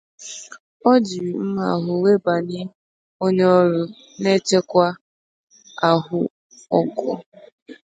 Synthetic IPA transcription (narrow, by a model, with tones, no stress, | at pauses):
ɔ˦d͡ʒi˨ɾm̩˦ma̰˨ɦʊ˨we˦ba˨ɲɪ˦ | o˦ɲe˦ɔ˦ɾʊ˦ | ne˦t͡ʃe˦kʷa˦ | a˨ɦʊ˦ | ɔ˦kɔ˦